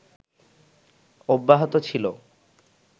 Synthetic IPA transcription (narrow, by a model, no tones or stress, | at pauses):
obːaɦot̪ot͡ɕʰilo